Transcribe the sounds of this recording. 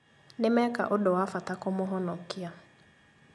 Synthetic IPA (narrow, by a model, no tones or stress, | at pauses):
nɪmɛka̰ʔʊdɔwafatakomʊɦɔnɔkɪa